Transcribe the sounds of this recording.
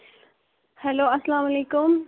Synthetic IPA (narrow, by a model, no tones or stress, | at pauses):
hɛloːɐsɐlaːmɐleːkʊm